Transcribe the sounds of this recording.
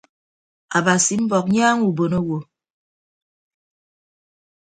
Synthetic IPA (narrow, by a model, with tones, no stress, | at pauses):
a˨ba˨si˨m̩˦bɔ˨k̚ɲaː˦ŋu˨bo˨no˦wo˨